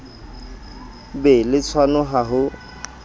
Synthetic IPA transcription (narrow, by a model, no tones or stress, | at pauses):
belɪt͡sʰwanʊɦaɦʊ